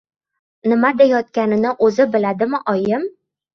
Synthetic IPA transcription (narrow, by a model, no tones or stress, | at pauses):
nɪmad̪ajɒt̪̚kʲanɪ̆nɪʔɵzɘbɪ̆lad̪ɪmɪʔɒjɪm